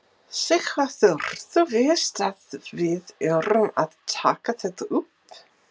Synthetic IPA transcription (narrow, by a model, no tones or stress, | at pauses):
sɪxvaθœɾ̥ðʏvɪːst̪aðvɪðœrʏmaðt̪ʰa̰ːkaθɛt̪aʔʏp